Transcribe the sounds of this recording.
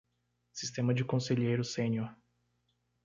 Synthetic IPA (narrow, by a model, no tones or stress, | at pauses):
sist̪ẽmɐd͡ʒɪkõseʎiejɾʊsẽɲoɾ